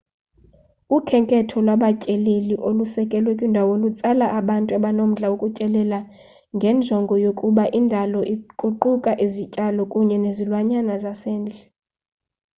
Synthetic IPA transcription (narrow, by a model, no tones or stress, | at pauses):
ukʰɛŋkʼɛtʰɔlwaɓacʼeleliʔolusɛkʼɛlwɛkʼwindʱawolut͡sʼalaʔaɓantʼaɓanom̩ɮawokʼucʼɛlɛla | ŋɡʱɛnd͡ʒʱɔŋɡʱɔjokʼuɓaʔindʱalɔʔiǃʼuǃukʼaʔizicʼalɔkʼuɲɛnezilwaɲanazasɛːnd͡ɮʱɛ